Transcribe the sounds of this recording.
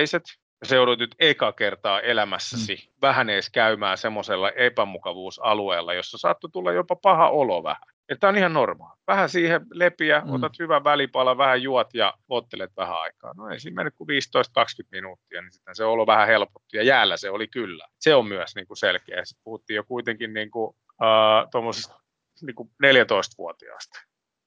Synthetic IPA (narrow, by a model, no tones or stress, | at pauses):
iset̪ | jɑsejouɾut̪nyt̪ekɑkert̪ɑːʔelæmæsːæsi | ʋæhæneːskæymæːsemːoselːɑʔepæmukɑʋuːsɑlueːlːɑjosːɑsɑ̰t̪ːut̪ulːɑjjopɑpɑhɑ̰ʔolo̰ʋæ̰hæ | et̪ːæonihɑnnormɑ̰ːlʋæhæsiːhelepiæo̰t̪ɑt̪hyʋæʋælipɑlɑʋʋæhæjuɑt̪jɑ̰ot̪ːelet̪ʋæhæ̰ɑ̰ikɑ̰ːnoḛisiːmmḛnːykuʋiːst̪oist̪̚kɑkskyt̪minuːt̪ːiɑnisi̥t̪hænseoloʋæhæhelpo̥t̪ːujɑjæːlːæseolikylːæ̰seommyæsniːŋkuselkeæjɑsi̥t̪̚puhut̪ːiːjokuit̪eŋkinniːŋku | əːt̪omːosest̪ | niːŋkuneljæt̪oist̪ʋṵot̪iɑ̰st̪